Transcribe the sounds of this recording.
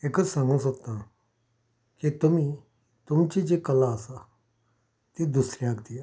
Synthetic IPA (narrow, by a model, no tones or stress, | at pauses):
eksəmə̃sot̪ːã | kit̪ʊmĩ | t̪ʊmt͡ʃid͡ʒekɐlaːsa | t̪ed̪ʊsɾijãːɡd̪ija